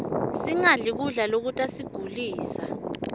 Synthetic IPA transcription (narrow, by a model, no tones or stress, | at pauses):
siŋaɮik̬uɮalok̬utʼasiɡ̥ʱuliːsa̰